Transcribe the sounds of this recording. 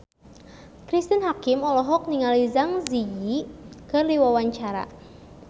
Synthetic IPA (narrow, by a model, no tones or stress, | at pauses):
kɾist̪ənɦakɪmɔlɔɦɔk̚niŋalizaŋzijikərliwawaɲt͡ʃaɾa̰